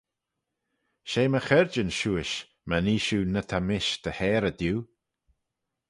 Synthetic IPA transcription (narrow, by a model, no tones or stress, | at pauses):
ʃeːməxɛɹd͡ʒənʃuːɪʃ | maniːʃuːnət̪ʰamɪʃd̪̥əhɛːɾəd̪juː